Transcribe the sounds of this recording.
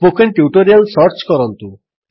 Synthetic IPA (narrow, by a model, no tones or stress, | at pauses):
pokʰenʈjuʈoɾialsʌɾt͡ʃkɔɾɔnt̪u